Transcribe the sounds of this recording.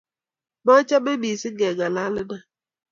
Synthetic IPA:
ma˦t͡ʃa˦be˦bi˨si˦ɡɛ˨ɡa˨la˦lə˦na˦

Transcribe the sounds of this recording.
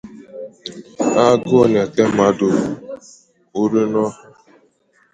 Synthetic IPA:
a˦ɡo˦˨n˨a˨ke˦ma˨dʊ˨ | u˦ɾe˦nɔ˦˨

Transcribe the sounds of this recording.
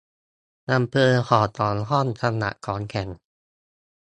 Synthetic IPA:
na˧mpʰɤː˧xʰɔː˨˩t̪ɔː˨˩nɦɔ˥˩˨nt̪ʰa˧mna̰˨˧˩ʔkʰɔː˨˦nkʰɛ˨˩n

